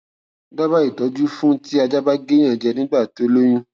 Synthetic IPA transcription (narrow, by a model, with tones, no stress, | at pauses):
da˦ba˦i˦˨tɔ˨˦d͡ʒu˦fũ˦ti˦a˧d͡ʒa˦ba˦ɡe˦j̃ã˦˨d͡ʒɛ˧nĩ˨˦ɡ͡ba˦˨to˨˦lo˦j̃ũ˦